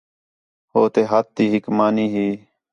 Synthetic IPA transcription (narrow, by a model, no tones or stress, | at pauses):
ɦoːt̪eːɦət̪̚t̪iːɦɪkmaːniːɦiː